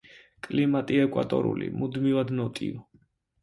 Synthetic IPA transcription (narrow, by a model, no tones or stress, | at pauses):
kʼlimat̪ʼiɛkʼwa̰t̪ʼɔ̰ɾṵlḭmud̪mivad̪nɔt̪ʼḭv